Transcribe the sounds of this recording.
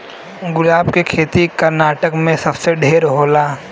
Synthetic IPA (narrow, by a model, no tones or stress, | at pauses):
ɡʊlaːbkekʰeːt̪ikɐɾnaːʈəkmẽsɐbseɖʱeːɾɦoːlaː